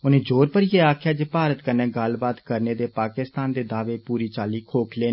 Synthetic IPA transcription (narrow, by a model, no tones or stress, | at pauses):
ʊnẽːd͡ʒoːɾpəɾjeːaːkʰjaːd͡ʒeːpaːɾət̪kəɾnẽːɡəlbaːt̪kəɾneːd̪eːpaːkɪst̪aːnd̪eːd̪aːʋeːpuːɾiːt͡ʃaːliːkʰoːkʰleːn